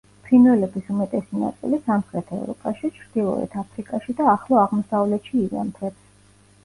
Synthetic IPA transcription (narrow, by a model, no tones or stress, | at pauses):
pʰinvɛlɛbisumɛt̪ʼɛsina̰t̪sʼḭlisamχɾɛt̪ʰaɛ̰vɾɔ̰pʼaʃit͡ʃʰɾd̪̥ilˠɔ̰ɛ̰t̪ʰapʰɾikʼaʃid̪aːχlˠɔaʁmɔsavlɛt̪ʃiːɾa̰mt̪ʰɛps